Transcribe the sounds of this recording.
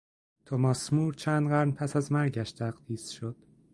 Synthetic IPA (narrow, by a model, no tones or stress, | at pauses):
t̪ʰomɒːsmuːɾt͡ʃʰæːnd̪ɢæɾnpʰæsæzmæɾɟæʃt̪ʰæɢd̪iːsʃod̪̥